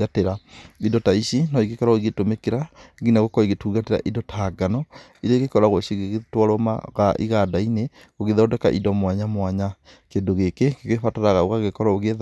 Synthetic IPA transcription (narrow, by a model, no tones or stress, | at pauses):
ateɾaidɔtaiʃinɔiɣekɔɾaoiɣetomekeɾaɡinaɣokɔiɣetuːɣateɾa̰ʔidɔtʰaːɡanɔ | iɾaiɣekɔɾaɣwoʃiɣeɣetwaɾwɔma̰ɣaʔḭɣadaine | ɣoɣeðɔdɛka̰ʔḭdɔmwaɲamwaɲa | kendoɣekekeɣefataɾaɣaoɣaɣekɔɾaoɣeð